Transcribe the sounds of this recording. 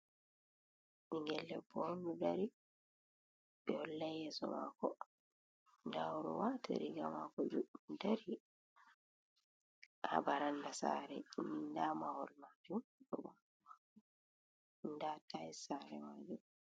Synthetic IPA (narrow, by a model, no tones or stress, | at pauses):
iŋɡɛlːɛbɔndudaɾi | bɛɔlːajɛsɔ̰ma̰kɔ | ndaɔɾɔ̰wataɾiɡama̰kɔd͡ʒudaɾi | ha̰baɾandasa̰ɾɛnindamahɔlmad͡ʒumɗɔba | ma | ɔ | ndatajsaɾɛmad͡ʒum